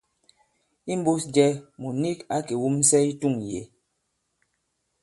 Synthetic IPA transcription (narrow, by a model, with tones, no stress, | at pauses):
i˦m˦bo˦sd͡ʒɛ˦mu˨ni˦ka˦ke˨wu˦mn̩˦sɛ˦i˦tu˦˨ŋjḛ˨